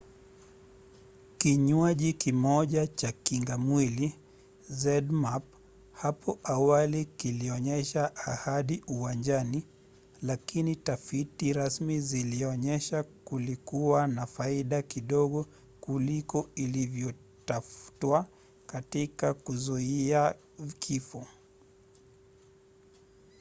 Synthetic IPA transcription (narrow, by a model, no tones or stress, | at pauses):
kiɲwaʄikimɔʄat͡ʃakiŋɡamwili | zɛdmap̚ | hapʰɔʔawalikiliɔɲɛʃaʔːhaɗiuwand͡ʒani | lakinitafitiɾasmiziliɔɲɛʃakulikuwanafaiɗakiɗɔɠɔ | kulikɔilivjɔ | tafu̥twa | katikakuzuia | kʰifɔ